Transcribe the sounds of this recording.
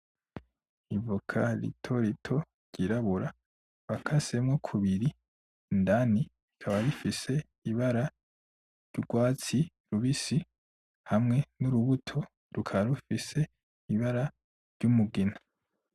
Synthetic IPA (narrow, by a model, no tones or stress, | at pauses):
ivukʰaɾḭtʰo̞ɾitʰo̞ | ɾɟ̥iɾaβuɾa | βakʰase̞mŋokʰuβiɾiː | ndani | ikʰaβaɾifise̞ | iβaɾa | ɾɟ̥uɡwaːt͡si | ɾuβisi | hamŋe̞nuɾuβutʰo̞ | ɾukʰaɾufise̞ | iβaɾa | ɾɟumuɡina